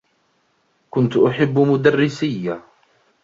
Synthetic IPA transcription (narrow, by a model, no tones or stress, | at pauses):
kʊnt̪ʔʊħɪbːmʊd̪arːɪsɪjːa